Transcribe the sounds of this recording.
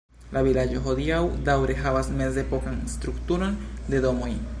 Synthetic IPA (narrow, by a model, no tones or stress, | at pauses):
laβilad͡ʒoɦodiawd̪awɾeɦaβasmesd̪epokanst̪ɾukt̪uɾond̪e̞do̞moj